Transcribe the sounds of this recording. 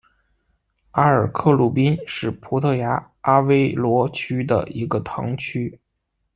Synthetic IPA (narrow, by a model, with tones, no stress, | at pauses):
a˥ə˞˨˩kʰɤ˥˧lu˥˩pi˥nʂɻ̩˥˩pʰu˧˥t̪ʰɤ˥˩ja˧˥ | a˥we˥ɪlwɔ˧˥t͡ɕʰy˥d̪ə̰˨i˧˥ɡə˧t̪ʰɑ̰˧˥ŋt͡ɕʰy˥